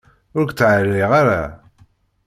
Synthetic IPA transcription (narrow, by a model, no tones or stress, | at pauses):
ʊɾɡt͡sːʕəlːiʁaɾa̰